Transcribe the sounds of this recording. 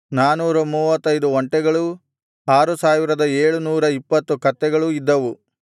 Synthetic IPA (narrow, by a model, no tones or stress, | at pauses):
naːnuːɾɐmuːʋɐt̪ːɐjd̪uʋɐɳʈɛɡɐɭu | aːɾusaːʋiɾɐd̪ɐeːɭunuːɾɐipːɐt̪ːukɐt̪ːɛɡɐɭuid̪ːɐʋu